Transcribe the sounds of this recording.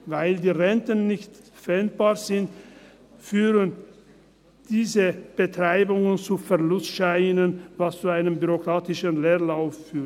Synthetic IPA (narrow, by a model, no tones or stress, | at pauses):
vaɪldiːʁɛntənːɪçtfɛnt̚b̥aːʁzɪnt | fyːʁən | d̥iːzəb̥ətʁ̥aɪbʊŋənt͡sufɛɐlʊstʃaɪnənvast͡suaɪnəmbyʁokʁ̥aːtɪʃənleːɐlaʊfːyːt